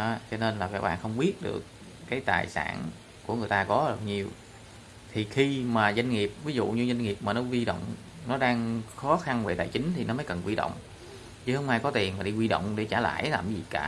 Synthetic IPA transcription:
a˨˦t͡ɕɔ˧ne˧nlaː˨˩kaː˧˦˩k̚ɓa̰ː˧˨nxə˧wŋ͡mɓi˦˥ət̚ɗɨ̰˨˩əkː | aː˨˦jt̪a̰ː˨˩jsa̰ː˧˩n | ku˧˩əŋɨ˨˩əjt̪aː˧kɔ˨˦ə˨˩ɲi˨˩əw | t̪ʰi˨˩xi˧maː˨˩za˧jŋ̟ŋi˨˩əp̚vi˨˦zṵ˧˨ɲɨ˧za˧jŋ̟ŋi˨˩əp̚maː˨˩nɔ˨˦zi˧ɗɔ̰˧˨wŋ͡m | nɔ˨˦ɗaː˧ŋxɔ˨˦xa˧nve˧˩t̪a̰ː˨˩jt͡ɕï˨˦ŋ̟t̪ʰi˨˩nɔ˨˦mə˨˦jkə˨˩nkwi˧ɗɔ̰˧˨wŋ͡m | t͡ɕɨ˨˦hə˧wŋ͡mʔaː˧jkɔ˨˦t̪i˨˩ənmaː˨˩ɗi˧kwi˧ɗɔ̰˧˨wŋ͡mɗe˧˩˦t͡ɕaː˧˩la̰ː˧˨jlaː˨˩mzḭ˨˩kaː˧˩

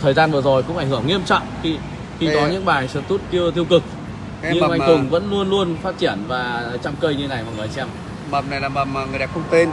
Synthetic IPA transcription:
t̪ʰəː˨˩jzaː˧nvɨ˨˩əzo˨˩jkʊ̰˧˥ŋ͡mʔa˧˩jŋ̟hɨ˧˩əŋːi˧əmt͡ɕɔ̰˧˨ŋ͡mxi˧ | xi˧kɔ˨˦ɲɨ̰˧˥ŋɓaː˨˩jsɛ̰˧˥t̪u˦˥t̚ki˧əwt̪ʰi˧əwkɨ˨˩k̚ | ɲɨ˧mʔa˧ŋkɨ˨˩ŋvə̰˧˥nlu˧ənlu˧ənfaː˦˥t̚t͡ɕi˧˩ənvaː˨˩t͡ɕa˧mkəː˧jɲɨ˧e˦na˨˩jmɔ̰˨ŋɨ˨˩əjsɛ˧m | ma˨˩m̚na˨˩jlaː˨˩ma˨˩ma˨˩ŋɨ˨˩jɗa˨˩p̚xə˧ŋ͡mt̪e˧n

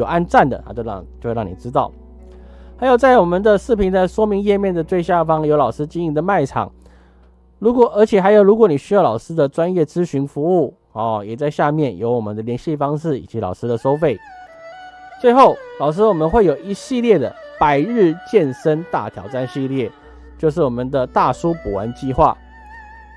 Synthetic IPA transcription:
jo˨˩a˥˧nt͡sa˥˩nd̪ə̰˩a̰˨˩t͡ɕo˥˧˨t͡ɕo˥˧xe˥˧ɻɑ˥˨ŋni˨˩ʈ͡ʂɻ̩˥t̪̬ɑ˥˩ʊ | xa˧˥ɪjo˨˩ʊt͡sa˥˩ɪwɔ˨˩mə˨nd̪ə˨ʂɻ̩˥˩pʰi˧˥nd̪a˧ɪʂwɔ˥mi˧˥ŋjɛ˥˧mjɛ˥˩nd̪ə˨˩t̪we˥˧ɪɕja˥˩fɑ˥ŋjo˧˥ʊlɑ˨˩ʊʂɻ̩˥t͡ɕi˥ŋi˧˥ŋd̪ə˨ma˥˩ɪʈ͡ʂʰɑ̰˨˩˦ŋ | ɻu˧˥kwɔ˨˩ʔə˞˧˥t͡ɕʰjɛ˨˩xa˧˥ɪjo˨˧˩ɻu˧˥kwɔ˧˥˦ni˨˩ɕy˥jɑ˥˩ʊlɑ˨˩ʊʂɻ̩˥d̪ə˨ʈ͡ʂwa˥njɛ˥˩t͡sɹ̩˥ɕy˧˥nfu˧˥u˥˩ | ɔ˨˩jɛ˨˩t͡sa˥˧ɪɕja˥˧mjɛ˥˩njo˧˥ʊwɔ˨˩mə̰˨˦nd̪ə˨ljɛ˧˥nɕi˥˧fɑ˥ŋʂɻ̩˥˩ḭ˨˩t͡ɕi˧˦˥lɑ˨˩ʊʂɻ̩˥d̪ə˨ʂo˥ʊfe˥˩ɪ | t͡swe˥˧ɪxo˥˩ʊlɑ˨˩ʊʂ̬ɻ̩˥wɔ˨˩mə˦nxwe˥˩ɪjo˨˩ʊi˧˥ɕi˥˧ljɛ˥˩d̪ə̰˩pa˨˩ɪɻɻ̩˥˧t͡ɕjɛ˥˩nʂə˥nt̪a̰˥˩t̪ʰjɑ̰˧˥ʊʈ͡ʂa˥˧nɕi˥˧ljɛ˥˩ | t͡ɕjo˥˧ʊʂ̬ɻ̩˥˩wɔ˨˩mə˦nd̪ə˨t̪a˥˩ʂu˥pu˨˩wa̰˧˦nt͡ɕi˥˧xwa̰˥˩

